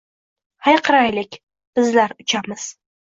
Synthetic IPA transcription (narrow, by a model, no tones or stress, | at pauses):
hajqʰɨɾajlɪkʲ | b̥ɪzlaɾʊt͡ʃʰamɪz̥